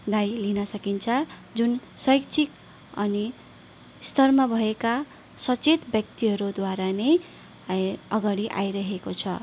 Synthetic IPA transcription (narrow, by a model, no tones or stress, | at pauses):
ɡajlinʌsʌkint͡sʰʌd͡zunsʌjkt͡sʰik | ʌni | st̪ʌrmabʱʌeka | sʌt͡set̪bjʌk̚t̪iɦʌɾud̪waɾane | ʌɡaɽiʔa̰jɾʌɦekot͡sʰʌ